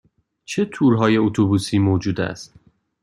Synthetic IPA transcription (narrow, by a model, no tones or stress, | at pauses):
t͡ʃʰet̪ʰuːɾɦɒːje̞ot̪ʰobuːsiːmoːd͡ʒuːd̪æ̰st̪